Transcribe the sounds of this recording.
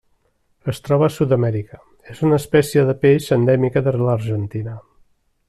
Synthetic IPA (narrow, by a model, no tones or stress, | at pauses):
əst̪ɾɔβəːsut̪əmɛɾikə | ezunəspɛsiəðəpeʃənd̪ɛmikəðələɾʒənt̪inə